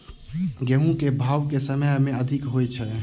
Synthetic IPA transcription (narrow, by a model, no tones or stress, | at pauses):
ɡeɦũkebʱawkesəməjameəd̪ʱikɦojt͡ʃʰɛ